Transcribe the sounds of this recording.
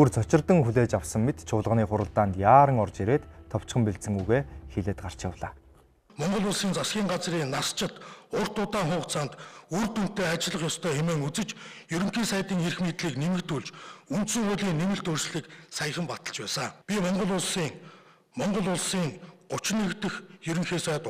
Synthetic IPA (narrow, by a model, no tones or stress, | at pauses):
urt͡sʰɔt͡ɕɪ̆rt̪ə̆ŋxuɮeːt͡ɕawsə̆ŋmet̪t͡ɕʰʊːɮʁə̆ʁniːχʊɾə̆ɮt̪aːnt̪jaːɾə̆ŋɔrt͡ɕeɾeːt̪ʰːɔw̥t͡ɕχə̆mpiɮsə̆ŋɡujɣeːxeɮĕːt̪̚ɢar̥t͡ɕawɮaː | mɔɴɢɞ̆ɮʊːɮsiːnt͡sasɡʲiːŋɢat͡sriːnast͡ɕɪ̆t̪ʊr̥t̪ʊːt̪aːŋχʊːχt͡sʰaːnt̪urt̪un̥t̪ːeːat͡ɕɪɮə̆χjɔst̪ʰœːxemeːŋut͡sɘ̆t͡ɕjɵɾɵ̆ŋxiːsæj̆t̪iːŋerxmiːt̪ɮiːknemɘ̆kt̪uɮt͡ɕunt̪sɘ̆ŋχʊɮiːŋnemɘ̆ɬt̪ɵrsɮiːksajə̆χə̆mpat̪ə̆ɮt͡ɕpæːsaːpʲimɔɴɢɞ̆ɮʊːɮsiːŋ | mɔɴɢɞ̆ɮʊːɮsiːŋɢʊt͡ɕɪnĕkt̪ɘ̆xjɵɾɵ̆ŋxeːsæːt̪